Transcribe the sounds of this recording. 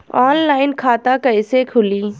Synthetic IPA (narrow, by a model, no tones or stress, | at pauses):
ɔːnlaːɪnkʰaːt̪akɐɪsekʰʊliː